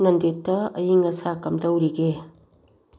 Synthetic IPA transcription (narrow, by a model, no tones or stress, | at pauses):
nɐndetːɐɐjiŋɐsakɐmdɐwɾiɡe